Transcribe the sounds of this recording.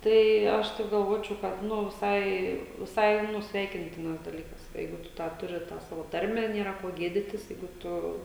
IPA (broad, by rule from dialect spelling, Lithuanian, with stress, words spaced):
ˈtɐɪ ˈɐʃ ˈtɐɪp ɡɐlˠˈʋoːt͡ʃʲɛʊ kɐt ˈnʊ ʋʲɪˈsɐɪ ʋʲɪˈsɐɪ ˈnʊ ˈsʲʋʲɛɪkʲɪnʲtʲɪnɐs dɐˈlʲiːkɐs ˈjɛɪɡʊ ˈtʊ tɑː ˈtʊrʲɪ tɑː ˈsɑːʋoː ˈtɐrʲmʲæː ˈnʲeːrɐ ˈkoː ˈɡʲeːdʲɪtʲɪs ˈjɛɪɡʊ ˈtʊ